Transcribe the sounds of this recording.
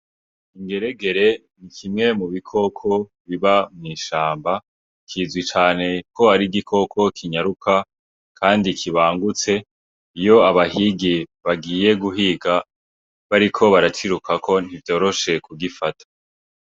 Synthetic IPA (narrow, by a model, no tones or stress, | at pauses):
iŋɡe̞ɾeɡe̞ɾe̞ | nikʰimŋe̞muβikʰo̞kʰo̞βiβamŋiːʃaːmba | kʰizwit͡ʃaːne̞ko̞aɾiɡikʰo̞kʰo̞kʰiɲaɾukʰa | kʰaːndikʰiβaːŋɡut͡se̞ | ijo̞aβahiɡiβaɡiːje̞ɡuɦiɡa | βaɾikʰo̞βaɾat͡ʃiɾukʰakʰo̞n̥ivjo̞ːɾo̞ʃe̞kuɡifatʰḁ